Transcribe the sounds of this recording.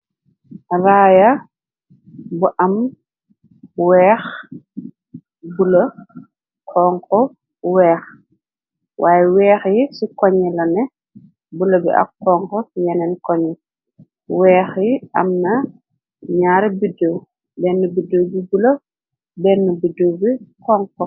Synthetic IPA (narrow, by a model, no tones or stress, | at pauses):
raːjɐ | buʔɐm | wɛːx | bulɐ | kʰɔːŋkɔ | wɛːx | wʔaːjɛwɛːxjisikɔɲɛlɐnɛ | bulɐbḭʔɐ̰kːɔːŋkɔsjɛnɛnkɔɲɛ | wɛːxjiʔɐ̰mnɐ | ɲaːɾbidow | bɛnːubidowbibulɐ | bɛnːəbudobikɔːŋkɔ